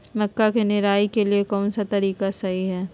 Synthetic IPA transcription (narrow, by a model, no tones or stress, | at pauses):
mɐkːakenɪɾaːikeliekɔːnsat̪ɐɾiːkasɐɦiɦɛː